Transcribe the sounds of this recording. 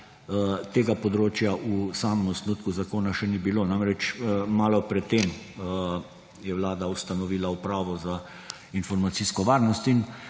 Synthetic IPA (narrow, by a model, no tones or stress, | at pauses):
t̪eːɡapɔd̪ɾoːt͡ʃjaʔusaːmɛmɔsnut̪kuzakoːnaʃɛniːbiloːnamɾɛt͡ʃːmaːlɔpɾɛt̪ːem | jɛʋlaːd̪aust̪anɔʋiːlaupɾaːʋɔza | infɔɾmat̪siskɔʋaːɾnɔst̪in